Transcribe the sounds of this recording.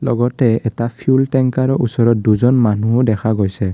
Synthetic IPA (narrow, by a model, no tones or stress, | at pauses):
lɔɡɔtɛɛtapʰjultɛŋkaɹɔʔusɔɹɔt̚duzɔnmanudɛkʰaɡojsɛ